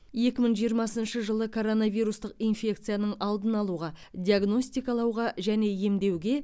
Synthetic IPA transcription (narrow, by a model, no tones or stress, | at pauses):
je̞kʲɪməɴʒijəɾmɑsənʃəʒəlˠəkʰo̞ɾo̞navijɾust̪əq̚ijnfʲe̞kt̪sɨjanəɴɑlˠd̪ənɑlˠuʁɑd̪ʲiaɡno̞sʲt̪ijkɑlˠɑwʁɑʒæne̞je̞md̪e̞wɡʲe̞